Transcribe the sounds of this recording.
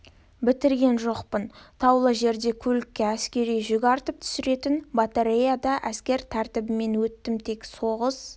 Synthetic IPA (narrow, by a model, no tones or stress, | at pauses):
bɪt̪ɪɾɡʲe̞nʒo̞qpənt̪ʰɑwlˠəʒe̞ɾd̪e̞kʲʰɵlɪkʲːeæskʲe̞ɾijʒʏɡʲɑɾt̪əp̚t̪ʰʏ̥sɪɾe̞t̪ɪnbat̪aɾejad̪ɑʔæskʲe̞ɾt̪ʰæɾt̪ɪbɪme̞nwɵt̪ːɪmt̪ʰe̞kso̞ʁəs